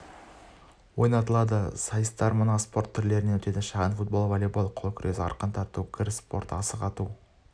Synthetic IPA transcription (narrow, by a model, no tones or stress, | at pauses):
wo̞jnɑt̪əlˠɑd̪əsɑjəst̪ɑɾmənɑspo̞rt̪ʰːʏɾle̞ɾɪne̞wɵt̪e̞d̪ɪʃɑʁɑnfut̪̚bo̞lˠvolʲebolˠqʰo̞lˠkʲʰʏɾʔe̞sɪɑ̰ɾqənt̪ʰɑt̪ukʲʰɪɾspo̞̰ɾt̪ɑsəqɑt̪u